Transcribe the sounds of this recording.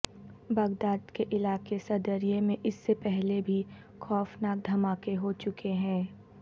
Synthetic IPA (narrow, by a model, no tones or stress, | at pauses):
bɐɡd̪aːd̪keʔɪlaːkesɐd̪əɾiemẽʔɪsːepɛɦlebʱi | xɔːfnaːk̚d̪ʱɐmaːkeɦot͡ʃʊkeɦɛ̃ː